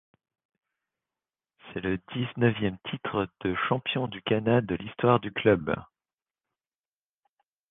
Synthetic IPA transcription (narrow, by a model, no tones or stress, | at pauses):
sɛləd̪iznəvjɛmt̪ʰit̪χəd̪̥əʃɑ̃pjɔ̃d̪ykanad̪əlist̪waʁd̪yklœb